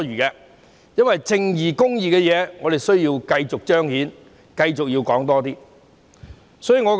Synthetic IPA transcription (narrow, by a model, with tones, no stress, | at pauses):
yː˨˩kɛː˧ | jɐ˥nwɐ˨jt͡sɪ˧ŋjiː˨˩kʊ˥ŋjiː˨kɛː˧jɛː˨˧ŋɔ˨˧t̪e˨jsɵ˥ɥjiː˧wkɐ˧jt͡sʊ˨k̚t͡ʃœː˥ŋhiː˨˥n | kɐ˧jt͡sʊ˨k̚jiː˧wkɔː˨˥ŋt̪ɔː˥t̪iː˥ | sɔː˨˥jiː˨˧ŋɔː˨˧k